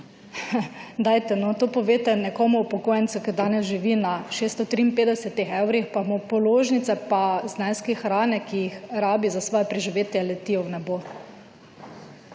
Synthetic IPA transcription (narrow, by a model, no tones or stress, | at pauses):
d̪aːjt̪ɛnɔt̪oːpɔʋeːt̪ɛnɛkɔːmuupɔkoːjɛnt̪sukid̪aːnɛsʒiʋinaʃeːst̪ɔt̪ɾiːnpeːd̪ɛsɛt̪ixɛwɾixpamɔpɔloːʒnit̪sɛpaznanskixɾaːnɛkijixɾaːbizasʋɔːjɛpɾɛʒiʋeːt̪jɛlɛt̪iɔwnɛbo